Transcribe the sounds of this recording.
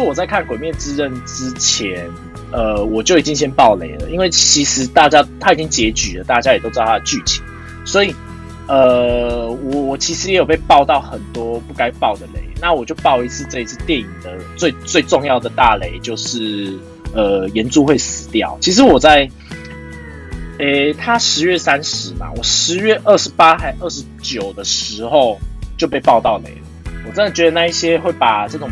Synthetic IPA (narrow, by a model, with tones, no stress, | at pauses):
wɔ˨˩t͡sa˥˧ɪkʰa˥˩nkwe˨˩ɪmjɛ˥˩nt͡sɹ̩˥˧ɻə˥˨nʈ͡ʂɻ̩˦t͡ɕʰjɛ˧˦n | ə˨wɔ˨˩t͡ɕjo˥˩ʊi˨˩t͡ɕi˦˥ŋɕjɛ˥npɑ˥˩ʊlḛ˧˥˦ɪlə̰˦i˥nwe˥˩ɪt͡ɕʰi˧˥ʂɻ̩˧˦t̪a˥˩t͡ɕja˥t̪ʰa˥˩i˨˩t͡ɕi˥ŋt͡ɕjɛ˨˧˦t͡ɕy˨˩lə˩t̪a˥˩t͡ɕja˥˦jɛ˨˩t̪o˥ʊt͡sɑ˥˧˩a˥t͡ɕy˥˩t͡ɕʰi˨˦ | swɔ˧˥i˨˩ | ə˨˩wɔ˨˩wɔ˨˩t͡ɕʰi˧˥ʂɻ̩˧˦jɛ˧˥jo˨˩pe˥˧ɪpɑ˥˧ʊt̪ɑ˥˨ʊxə˨˩nt̪wɔ˦˥pu˥˩ka˥ɪpɑ˥˩ʊd̪ə˩lḛ˧˦ɪna˥˩wɔ˨˩t͡ɕjo˥˧ʊpɑ˥˧ʊi˧˥t͡sʰɹ̩˥˧t͡sɤ˥˧i˧t͡s̩ʰ˥˧t̪jɛ˥˨˩ni˨˩ŋd̪ə˩t͡swe˥˧ɪt͡swe˥˧ɪʈ͡ʂo˥˧ŋjɑ˥˩ʊd̪ə˩t̪a˥˨le˧˥ɪt͡ɕjo˥˧ʊʂɻ̩˥˩ | ə˨jɛ˨˦nt͡su˥˧xwe˥˩ɪsɹ̩˨˩˦t̪jɑ̰˥˩ʊt͡ɕʰi˧˥ʂ̬ɻ̩˧˥wɔ˨˩t͡sa˥˩ɪ | e˥˩t̪ʰa˦ʂɻ̩˧˥ɥɛ˥˩sa˦nʂɻ̩˨˦ma̰˨wɔ˨˩ʂɻ̩˧˥ɥɛ˥˩ʔə˥˩ʂɻ̩˧˦pa˥xa˥ɪʔə˥˩ʂɻ̩˧˦t͡ɕjo˨˩ʊd̪ə˩ʂɻ̩˧˥xo˥˧ʊt͡ɕjo˥˧ʊp̬e˥˧ɪpɑ˥˧ʊt̪ɑ˥˩ʊlḛ˨˩ɪlə˩wɔ˨˩ʈ͡ʂə˦˥nd̪ə˨˩t͡ɕɥɛ˧˥d̪ə˧na˥˧i˥˩ɕjɛ˦˥xwe˥˩ɪpa˨˩t͡sɤ˥˩ʈ͡ʂʊ˨˩